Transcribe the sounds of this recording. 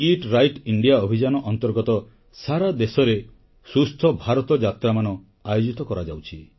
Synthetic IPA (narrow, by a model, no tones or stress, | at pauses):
iʈɾajʈiɳɖijaɔbʱid͡ʒanɔʔɔnt̪ɔɾɡɔt̪ɔ | saɾad̪esɔɾe | sust̪ʰɔbʱaɾɔt̪ɔd͡ʒat̪ɾamanɔ | ajod͡ʒit̪ɔkɔɾad͡ʒawt͡ʃʰi